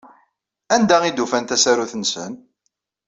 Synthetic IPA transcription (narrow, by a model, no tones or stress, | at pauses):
ænd̪æʁid̪ufænt̪æsæɾuθənsə̰n